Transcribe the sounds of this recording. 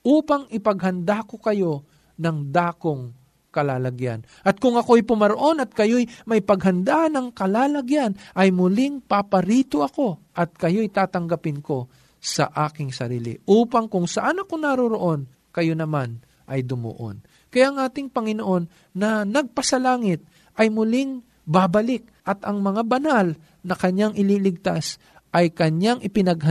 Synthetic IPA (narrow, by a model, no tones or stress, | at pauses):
ʔuːpɐŋɪpɐɡ̚ɦɐnd̪ako̞kɐjo̞ | nɐŋd̪aːkoŋ | kɐlaːlɐɡja̰n | ʔɐt̪̚kʊŋɐkoɐjpʊmɐɾoʔo̞nɐt̪̚kɐjojmɐjpɐɡɦɐnd̪anɐŋkɐlaːlɐɡjanʔɐjmʊlɪŋpapɐɾiːt̪oʔɐko̞ʔɐt̪̚kɐjo̞jt̪aːt̪ɐŋɡɐpɪnko̞ | sɐ̰ʔaːkɪŋsɐɾḭːlɪ̰ʔuːpɐŋkʊŋsɐʔanɐko̞naɾoɾo̞ʔo̞n | kɐjo̞nɐman | ʔɐjd̪ʊmo̰ʔo̰n | kɐjaʔɐŋʔaːt̪ɪŋpɐŋɪnoʔo̞nː | ɐnɐɡ̚pɐsɐlaːŋɪt̪̚ | ʔɐjmʊlɪŋ | baːbɐlɪk̚ʔɐt̪ɐŋmɐŋabɐnal | nɐkɐɲaŋʔɪliːlɪɡ̚t̪as | ʔɐjkɐɲaŋʔɪpɪnɐɡɦɐ